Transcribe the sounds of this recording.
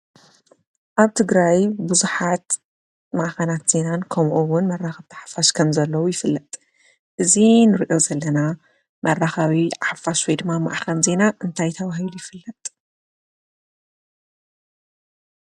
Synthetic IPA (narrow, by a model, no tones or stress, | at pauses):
ʔaβt̪ʰɨɡɾajbuzuħat̪ | maʔxɐnat̪z̥e̞nankʰɐmʔuwʊnmɐrːaxɐβt̪ʰḁħḁfaʃkʰɐmzɐlːɐwujɪfɨlːɐt̪ʼ | ʔɨzinɨɾiʔo̞zɐlːɐna | mʔɐrːaxɐwiaħafaʃwojd̪ɨmːama̰ʔxɐnze̞naʔɨnt̪ʰajt̪ʰɐβahilujɪfɨlːɐt̪ʼ